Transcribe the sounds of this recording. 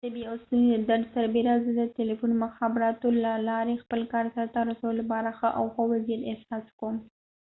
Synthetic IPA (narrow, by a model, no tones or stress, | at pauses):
d̪əbiosund̪əd̪aɖ̪saɾbeɾazəd̪ətelifunmʊxɑbɪɾɑt̪olalɑɾexpəlkɑɾsaɾat̪aɾasawəlapɑɾaxəʔa̰wxowazijat̪ɪtsɑskom